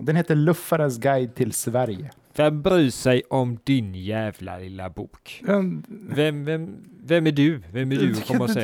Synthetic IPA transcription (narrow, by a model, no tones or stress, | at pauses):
d̪ɛnheːt̪əɭɵfːaɾənsɡajd̪̚t̪ʰɪlsvæɾjə | vɛmbɾiːsɛjʔɔmd̪ɪnjæːvla̰lɪlːa̰buːk | vɛmvɛmvɛmːæɖɵvɛmːædɵkʰɔməɾɔsɛ